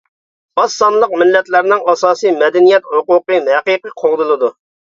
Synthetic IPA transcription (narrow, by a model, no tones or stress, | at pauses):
ɑsːɑnlˠəq̚mɪlːɛt̪læɾnɪŋɑsɑːsɨjmɛd̪ɛnijɛt̪hʊqʊqɨmhɛqiqəqʰoʁd̪ɨlˠɨd̪u